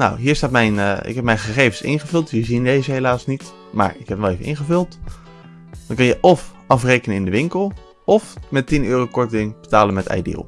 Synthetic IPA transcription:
na̰wɦiːɹstaːtmɛjnʔɪ̰kɦɛp̚mɛjnχəχejvənsɪ̰nχəvʏlˠtjəzindejzəɦelaːsnit | ma̰ːɹɪkɦɛpnɛlˠejvənʔɪ̰nχəvɵlˠt | dɑnkɑnjəʔɔf | ɑfrejkənənɪndəʋɪŋkəlˠ | ɔfmɛtinyːrowkɔɹtɪŋb̥ətaːlənmɛtɛ̰jdḭlˠ

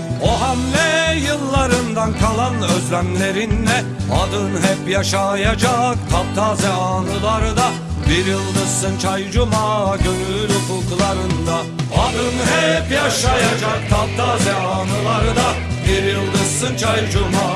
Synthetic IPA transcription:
oɦamlɛjɯlˠːaɾɯnd̪ankʰalˠanøzlʲæmlʲe̞ɾinlɛ | ad̪ɯnɦɛpjaʃajad͡ʒak̚t̪ʰavt̪ʰaːzɛaːnɯlˠaɾɯd̪a | biɾjɯlˠd̪ɯsːɯnt͡ʃʰajd͡ʒumaɟønylykulˠkʰulˠaɾɯnd̪a | ad̪ɯnɦɛpjaʃajad͡ʒak̚t̪ʰavt̪ʰazɛaːnɯlˠaɾɯd̪a | biɾjɯlˠd̪ɯssɯnt͡ʃʰajd͡ʒuma

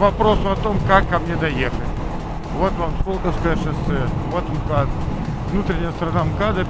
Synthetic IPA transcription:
vɐpɾosʊɐt̪omkakːɐmnʲed̪ɐjexətʲ | vot̪vamskolʲkəskɐzatʃasɛvot̪mkad̪ | vnut̪ɾʲɪnʲɪjəst̪ɾɐnamkad̪ə

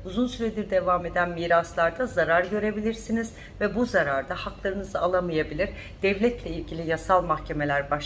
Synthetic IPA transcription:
uzunsyɾed̪iɾd̪e̞vame̞d̪ænmiːɾaslˠaɾd̪azaɾaɾɟø̞ɾe̞bilʲiɾsiniz̥ | vɛbuzaɾaɾd̪ahaklˠaɾɯnɯzɯalˠamɯjabilʲiɾ | d̪̥ɛvlʲɛt̪lʲɛilʲɟilʲijasalˠmaxcʰe̞me̞lʲæɾbaʃ

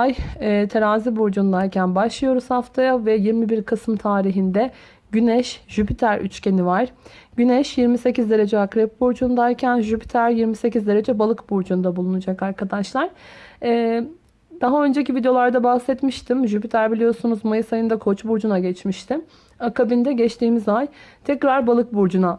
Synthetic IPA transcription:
ajɛːt̪ʰeɾaːzibuɾd͡ʒund̪aɾcʰænbaʃlˠɯjo̞ɾuz̥haft̪ʰajavɛjiɾmibiɾkʰasɯmt̪ʰaːɾiɦind̪ɛ | ɟynɛʃʒ̥ypʰit̪ʰæɾy̰t͡ʃcʰe̞nivaɾ̥ɟynɛʃjiɾmise̞cizd̪e̞ɾe̞d͡ʒɛakɾɛp̚buɾd͡ʒund̪aɾcʰænʒypi̥t̪ʰæɾjiɾmise̞cizd̪e̞ɾe̞d͡ʒɛbalˠɯkbuɾd͡ʒund̪abulˠunud͡ʒakaɾkʰad̪aʃlˠaɾ̥ɛː | d̪̥aɦaø̞nd͡ʒecivid̪eo̞lˠaɾd̪abahsɛt̪miʃt̪ʰimʒypit̪ʰæɾbilʲijo̞sunuzmajɯsajɯnd̪akʰo̞t͡ʃbuɾd͡ʒunaɟɛt͡ʃmiʃt̪ʰim | akabind̪ɛɟɛt͡ʃt̪ʰiːmizajt̪ʰɛcɾaɾbalˠɯk̚buɾd͡ʒuna

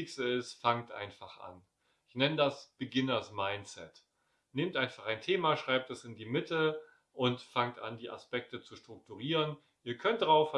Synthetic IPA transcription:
ɪkstəɪstfaŋtʔa̰ɪnfaχʔa̰n | ʔɪçnɛnədasb̥əɡɪnədasmaɪnt͡sɛ̰t | nɪmtʔaɪ̃nfaχaɪntʰeːmaʃʁ̥aɪp̚tɛsɪndiːmɪtʰə | ʔʊntfaŋtʔa̰ndiːʔa̰spɛk̚tət͡suʃtʁ̥ʊk̚tuʁ̞iːʁən | ʔiːɐkʰœnt̚d̥ʁaʊfa

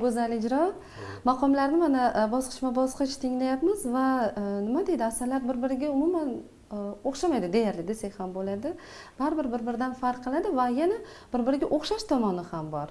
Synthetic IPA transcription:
ɡɵzalɪd͡ʒɾɒ | mɑqʰɒmlaɾnɪmanabɒsqʰɨ̥ʃmabɒsqɨʃt̪ʰɪŋlajapmɪzvanɪmad̪e̞jd̪ɪasaɾlaɾbɪɾbɪɾɪɡʲaʊmuman | oχʃamajd̪ɪd̪e̞jaɾlɪd̪esakʲhambolad̪ɪ | b̥aɾbɪɾbɪɾbɪɾd̪anfaɾqqʰːɨlˠad̪ɪvajanabɪɾbɪɾɪɡʲaʔoχʃaʃt̪ʰɒmɒnɪhambɒɾ

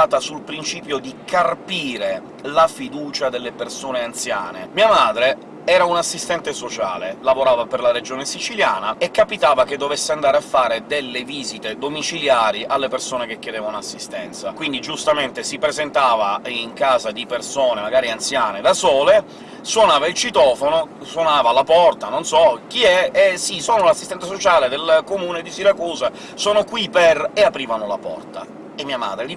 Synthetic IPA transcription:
aːt̪asulpɾint͡ʃiːpjod̪ikʰarpiːɾe | lafid̪uːt͡ʃad̪elːepersoːneant̪sja̰ːnḛmiːamaːd̪ɾe | ɛːɾaunasːist̪ɛnt̪esot͡ʃa̰ːlelavoɾaːvaperlaɾed͡ʒoːnesit͡ʃilja̰ːnaekːapit̪aːvaked̪ːovesːeand̪aːɾeafːaːɾed̪elːeviːzit̪ed̪omit͡ʃiljaːɾiʔalːepersoːnek̟ekːed̪eːvaunasːist̪ɛnt̪sakwind̪id͡ʒust̪ament̪esipɾezent̪aːvaiŋkaːzad̪ipersoːnemaɡaːɾiant̪sjaːned̪asɔːle | swonaːvailt͡ʃit̪ɔːfonoswonaːvalapɔrt̪anonsɔk̟iɛesisoːnolasːist̪ɛnt̪̬ːasot͡ʃaːled̪elkomuːned̪isiɾakuːza | soːnokwipɛreapɾiːvanolapɔ̰rt̪a̰ | emːiːama̰ːd̪ɾeli

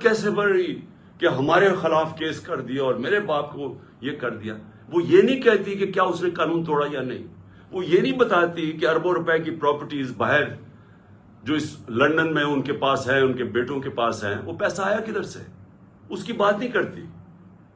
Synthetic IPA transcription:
kɛːsebɐɽi | keɦɐmaːɾexɪlaːfkeːskɐɾd̪ieɔːɾmeːɾebaːp̚ko | jekɐɾd̪ija̰ː | ʋoːjeːnɐĩkɛɦt̪ikekjaːʊsnẽkaːnũːnt̪oːɽajanɐɦḭ̃ | ʋoːjenɐĩbɐt̪aːt̪ikeɐɾbãɾʊpɛkipɾɔːpəɾʈiːzbaːɦɪɾ | d͡ʒoːɪslɐ̃ɳɖənmẽʊnkepaːsɦɛ̃ʊnkebeːʈõkepaːsɦɛ̰̃ʋoːpɛːsaːjakɪd̪əɾsḛ | ʊskibaːt̪nɐ̃ĩkɐɾt̪ḭ

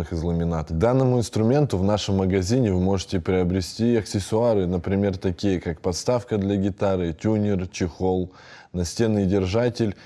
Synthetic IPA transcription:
ɨxɨzlˠəmʲɪnat̪ɡd̪anːəmʊɪnst̪ɾʊmʲe̞nt̪ʊvnaʂɨmːəɡɐzʲinʲɪvɨmo̞ʐɨtʲɪpɾʲɪɐbɾʲɪsʲtʲiɐksʲɪsʊaɾɨnəpɾʲɪmʲe̞rt̪ɐkʲijəkakpɐt̪st̪afkəd̪lʲɐɡʲɪt̪aɾɨtʲunʲɪrt͡ɕɪxo̞lˠ | nɐsʲtʲe̞nɨdʲɪrʐatʲɪlʲ

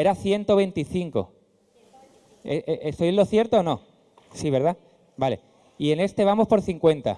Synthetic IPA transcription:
e̞ɾaθje̞nt̪o̞βe̞nt̪iθiŋko̞̰ | eʔeʔesoelo̞θje̞ɾt̪oːnõ̞ | siβ̞e̞ɾð̞a | bale̞̰ | ie̞ne̞st̪e̞β̞amo̞spo̞ɾθiŋkwe̞nt̪a̰

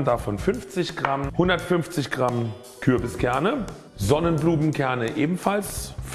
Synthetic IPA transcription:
ndafɔnfʏnft͡sɪçɡ̥ʁamhʊndɐtfʏnft͡sɪçɡ̥ʁam | kʰʏɐbəskʰɛɐnə | zɔnənbluːmn̩kʰɛɐnəʔeːbm̩falsf

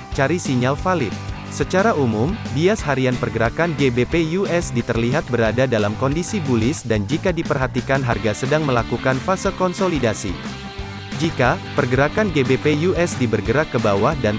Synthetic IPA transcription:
t͡ʃaɾisiɲalfalɪt̪̚ | sət͡ʃaɾaumumbiashaɾianpərɡəɾakanɡebepejuɛsdit̪ərliɦat̪̚bəɾadadalamkɔndisibulɪsdand͡ʒikadipərɦat̪ikanɦa̰rɡasədaŋməlakukanfasəkɔnsolidasḭ | d͡ʒikapərɡəɾakanɡebepejuʔɛsdibərɡəɾakːəbawahdan

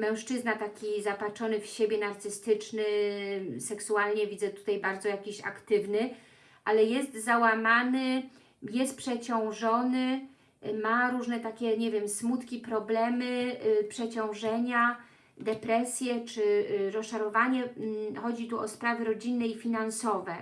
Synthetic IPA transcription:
mɛ̃w̃ʂt͡ʂɘznat̪akʲizapat͡ʂɔnɘfɕebʲjɛnaɾt̪sɘst̪ɘt͡ʂnɘ | sɛksualɲɛvʲid̪zɛt̪u̥t̪ajbaɾd̪zɔjakʲiɕa̰kt̪ɘvnɘ | ʔalɛjɛst̪zawamanɘ | jɛst̪̚pʂɛt͡ɕɔ̃w̃ʐɔnɘ | maɾuʐnɛt̪akʲɛɲɛvʲjɛmsmut̪kʲipɾɔblɛmɘpʂɛt͡ɕɔ̃w̃ʐɛɲa | d̪ɛpɾɛsʲjɛt͡ʂɘɾɔsʂaɾɔvaɲɛxɔd͡ʑit̪uɔspɾavɘɾɔd͡ʑinːɛifʲinansɔvɛ

